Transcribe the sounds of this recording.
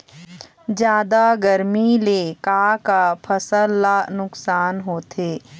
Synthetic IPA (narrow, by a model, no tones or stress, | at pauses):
d͡ʒjaːd̪aɡəɾmilekaːkapʰəsəlːanʊksaːnɦoːt̪ʰeː